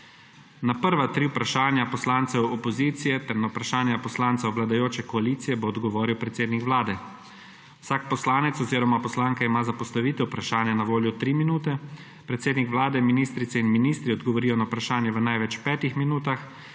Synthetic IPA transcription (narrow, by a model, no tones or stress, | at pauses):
napəɾʋat̪ɾiwpɾaʃaːnjapɔslaːnt̪sɛwɔpɔziːt̪sijɛt̪ɛɾnawpɾaʃaːnjapɔslaːntsawʋlad̪ajoːt͡ʃɛkɔaliːt̪sijɛboːd̪ɡɔʋoːɾiwpɾɛt̪seːd̪nikʋlaːd̪ɛ | wsaːk̚pɔslaːnɛt̪sɔziːɾɔmapɔslaːŋkaimaːzapɔst̪aʋiːt̪ɛwupɾaʃaːnjanaʋoːljut̪ɾiːminuːt̪ɛ | pɾɛt̪seːd̪nikʋlaːd̪ɛminiːst̪ɾit̪sɛinminist̪ɾiɔd̪ɡɔʋɔɾijɔnawpɾaʃaːnjɛʋənajʋɛt͡ʃpɛːt̪ixminuːt̪ax